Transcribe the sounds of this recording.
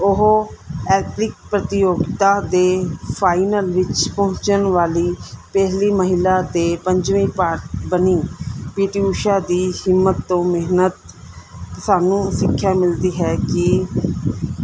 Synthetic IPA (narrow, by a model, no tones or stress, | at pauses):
ʊɦɛːplɪk̚pɾət̪ɪjoːɡɪt̪aːd̪eːpʰaːinəlʋɪt͡ʃpɔɦɲt͡ʃənʋaːliːpɛɦliːməɦɪlaːd̪eːpəɲd͡ʒʋĩːpaːɾt̪bəniːpiːʈiːuːʃaːd̪iːhɪmːət̪ːõːmɪɦnət̪ | saːnũːsɪkʰːjaːmɪld̪iːɦɛːkɪ